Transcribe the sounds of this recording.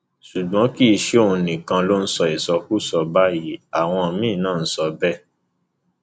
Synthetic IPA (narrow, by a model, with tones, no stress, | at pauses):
su˨ɡ͡bɔ̃˨˦ki˦˧ʃe˦o˦˧ũ˧nĩ˨kã˧lo˦n̩˦sɔ˧e˨sɔ˧ku˦˨sɔ˧ba˦ji˨˦a˨w̃ɔ̃˧˨mĩ˦˨˦nãː˦˨n̩˦sɔ˧bɛ˦˨